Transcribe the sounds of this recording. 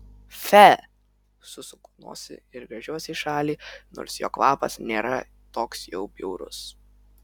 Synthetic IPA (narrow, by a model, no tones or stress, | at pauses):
fʲæ | sʊsʊkunṵɔsʲɪ̰ɪɾɡɾɐʒʲuɔsʲɪiʃɑːlʲiːno̰ːɾsjo̰ːkʋɑːpɐsnʲeːɾɐ | t̪oːksjɛʊbʲɛʊɾʊ̰s